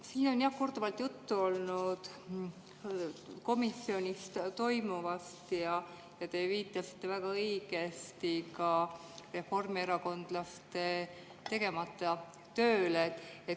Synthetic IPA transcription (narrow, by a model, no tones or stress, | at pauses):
siːno̞njɑhkord̪̥uvɑlt̪jut̪ːuo̞lnud̪̥ | ko̞misio̞nʲist̪t̪o̞jmuvɑst̪jɑ | jɑt̪e̞viːt̪ːˑɑsi̥t̪ˑːe̞væɡ̥ɑɤjɡe̞st̪ikɑ | re̞fo̞rmieɾɑko̞nd̪̥lɑst̪e̞ | t̪e̞ɡe̞mɑt̪ˑːɑ | t̪ø̞ːlet̪ːet̪